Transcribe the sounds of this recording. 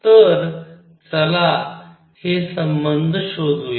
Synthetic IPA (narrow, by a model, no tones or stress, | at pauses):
t̪əɾ | t͡səla | hesəmbənd̪ʱɕod̪ʱue